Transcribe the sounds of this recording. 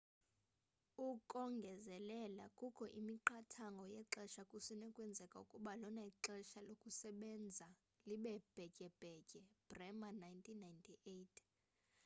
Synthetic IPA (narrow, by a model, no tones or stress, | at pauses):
ukʼɔŋɡʱɛzɛlɛlakʼukʰɔʔimiǃatʰaŋɡʱɔjɛǁɛʃakʼusinɛkʼwɛnd͡zʱɛkʼaukʼuɓalɔnaiǁɛʃalokʼusɛɓɛnd͡zʱa | liɓɛb̥ʱɛcʼɛb̥ʱɛcʼɛb̥rɛmanajntʰʼinːajntʰiʔetʰ